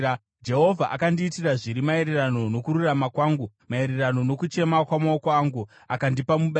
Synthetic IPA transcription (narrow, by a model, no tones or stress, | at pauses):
d͡ʒe̞ɦo̞vʱaʔakandiːtiraʐiɾimae̞ɾerano̞no̞kuɾuramakwaːŋɡu | mae̞ɾerano̞no̞kut͡ʃe̞makwamaokaŋɡu | akandipamuɓa